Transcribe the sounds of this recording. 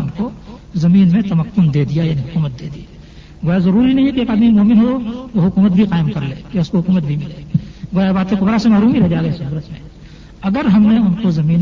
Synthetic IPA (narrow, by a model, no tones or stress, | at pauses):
ʊnkozɐmiːnmẽt̪ɐməkːʊnd̪eːd̪ijajaːniɦʊkuːmət̪̚d̪eːd̪ija | ɡoːjazɐɾuːɾinɐɦĩɦɛkieːkaːd̪mimoːmɪnɦoʋoɦʊkuːmət̪̚bʱiqaːɪmkɐɾleːkeʊskoɦʊkuːmət̪̚bʱimɪleːɡoːjabaːt̪ẽkobɐɾasemaːɾuːmiɾɐɦɛd͡ʒaːɡɐesɐɾət̪mḛ̃ | ɐɡəɾɦɐmneʊnkozɐmiːn